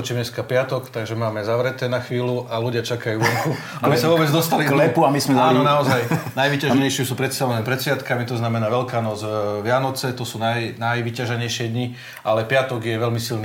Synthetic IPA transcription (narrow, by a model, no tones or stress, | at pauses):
t͡ʃimɲɛskapɪat̪ɔkt̪aɡʒɛmaːmɛzaʋɾɛt̪ɛːnaxʋiːluʔaluɟɪat͡ʃakajuːʋɔŋku | abisaʋʊɔbɛd͡zd̪ɔst̪alilɛpuamismɛzaːnɔnaɔzajnajʋicaʒɛɲɛjʃɪɛsuːpɾɛt̪st̪aʋɛnɛːpɾɛt̪sʋɪat̪kamit̪ɔznamɛnaːʋɛlkaːnɔzʋɪanɔt͡sɛt̪ɔsuːnajnajʋicaʒɛɲɛjʃɪɛd̪ɲi | ʔalɛpɪat̪ɔɡjɛʋɛlmisilni